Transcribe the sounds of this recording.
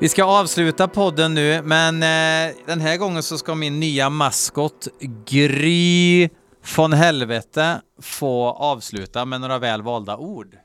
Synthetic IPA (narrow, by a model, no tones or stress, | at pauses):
vɪskaɑːvslʉ̟ːt̪apʰɔd̪ːənːʉ̟ːmɛnd̪̥ɛnɦæɾɡɔŋːənsɔskamɪnːyːamaskɔt̪ɡɾyː | fɾɔnɦɛlvɛt̪ə | foːɑːvslʉ̟ːt̪amɛnoːɾavɛːlvɑːld̪aʔuːɖ